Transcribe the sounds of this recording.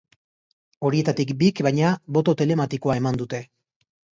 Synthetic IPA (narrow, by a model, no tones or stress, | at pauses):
o̞ɾie̞t̪at̪ikbikbajɲaβo̞t̪o̞t̪e̞le̞mat̪iko̞ae̞mand̪ut̪e̞